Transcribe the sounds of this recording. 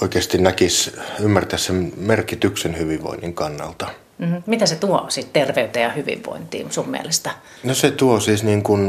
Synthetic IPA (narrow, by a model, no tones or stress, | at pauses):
oˑikeːst̪innækisymːært̪æːssemmerkit̪yksenhyʋiʋʋo̰inːiŋkɑnːɑ̰lt̪ɑ | m̩mit̪æset̪uosit̪t̪erʋeyt̪ejɑhyʋḭʋʋo̰int̪ḭːsummḭḛlest̪æ | noset̪uosiːsniːŋkun